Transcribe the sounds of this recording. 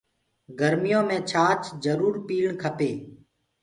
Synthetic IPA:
ɡəɾmɪjõːmẽːt͡ʃʰaːt͡ʃd͡ʒəɾuːɾpiːlɳkʰəpeː

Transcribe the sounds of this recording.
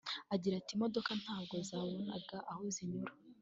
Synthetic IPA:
aɟiɾatimo̞dokan̥haːb̚ɡo̞zaːwuna̰ɡaʔahoziɲuɾa

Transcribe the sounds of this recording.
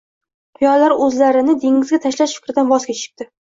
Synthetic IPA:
qʰʊjɒlaɾɵzlaɾɪnɪd̪eŋɪzɡʲat̪ʰaʃlaʃfɪkʲɾɪd̪anvɒskʲat͡ʃʰɪ̥q̚t̪ɪ

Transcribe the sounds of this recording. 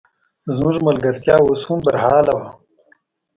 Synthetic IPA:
zmuʐmɐlɡɐɾt̪jaːoshũmbɐɾɦaːlɐwa

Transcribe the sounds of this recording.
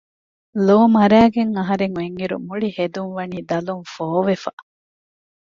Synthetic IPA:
loːmɐɾæːɡeŋɐɦɐɾeŋueŋiɾṵmuɭihed̪uŋʋɐniːd̪ɐluŋfoːʋefɐ

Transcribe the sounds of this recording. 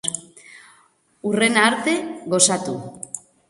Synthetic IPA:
ure̞naɾt̪e̞ɣo̞sat̪u

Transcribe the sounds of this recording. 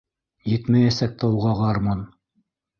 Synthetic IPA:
jɘt̪mæjæsæk̚t̪ʰɑwʁɑʁɑɾmɑn

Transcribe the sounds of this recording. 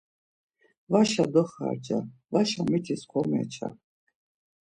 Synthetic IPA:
vaʃad̪ɔχa̰ːɾd͡ʒʼavaʃamɛt̪ʰiskʰɔmɛ̰t͡ʃʰa̰

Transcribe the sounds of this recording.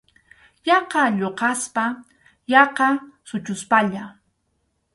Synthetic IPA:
jɑqɑʎoqɑspa | jɑqɑsʊt͡ʃʊspaʎa

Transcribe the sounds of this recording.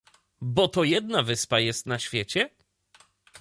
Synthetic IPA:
bɔt̪ɔjɛd̪navɘspajɛst̪naɕfʲjɛt͡ɕɛ

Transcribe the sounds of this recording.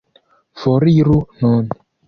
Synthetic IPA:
fɔɾiɾunɔn

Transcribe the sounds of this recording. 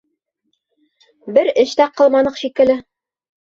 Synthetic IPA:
bɘɾɘ̆ʃt̪æqɤ̆lˠmɑnɤqʃikɘ̆lɘ

